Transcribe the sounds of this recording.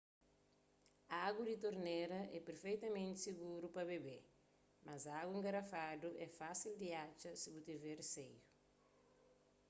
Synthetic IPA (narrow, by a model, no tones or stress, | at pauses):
aɡud̪it̪oɾneɾɐʔɛpeɾfejt̪ɐmẽnt̪i̥siɡuɾupɐβebe | mʔɐzaɡuẽŋɡɐɾɐfad̪uʔɛfasild̪iat͡ʃɐsibut̪ivɛreseju